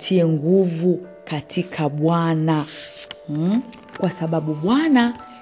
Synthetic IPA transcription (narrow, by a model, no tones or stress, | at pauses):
tʰiɛŋɡuvukatʰikʰaɓwana | kwasaɓaɓuɓwana